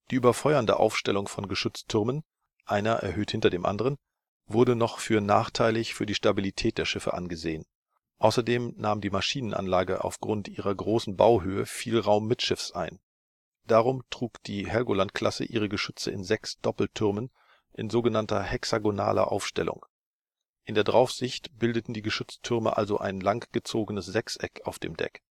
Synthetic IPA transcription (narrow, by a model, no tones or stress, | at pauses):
d̥iːʔyːbɐfɔʏɐndəʔa̰ʊfʃtɛlʊŋfɔnɡəʃʏt͡stʰːʏɐmən | ʔaɪnɐʔɛ̰ɐɦøːthɪntɐdeːmʔa̰ndəʁ̞ən | vʊɐɾənɔχfyːɐnaːχtʰaɪlɪçfyːɐdiːʃtabilitʰɛːt̚d̥eːɐʃɪfə̰ʔanɡəzḛːən | ʔaʊsɐdeːmnaːmdiːmaʃiːnənʔa̰nlaːɡəʔa̰ʊfɡ̥ʁʊntʔiːʁɐɡʁoːsn̩ba̰ʊɦøːəfiːlʁaʊmːɪtʃɪfsʔa̰ɪn | d̥aːʁ̞ʊmtʁ̥uːkd̥iːhɛɡolantkʰl̥asə̰ʔiːʁ̞əɡəʃʏt͡sə̰ɪnzɛksd̥ɔpl̩tʰʏʁmən | ʔɪnzoːɡənantɐhɛksaɡona̰ːlɐ̰ʔa̰ʊfʃtɛ̰lʊ̰ŋ | ʔɪndeːɐdʁaʊfz̥ɪçtb̥ɪldətn̩diːɡəʃʏt͡stʰʏʁmə̰ʔa̰lzo̰ʔa̰ɪnlaŋɡ̥ət͡soːɡənəsz̥ɛksʔɛkaʊfd̥ḛːmdɛ̰k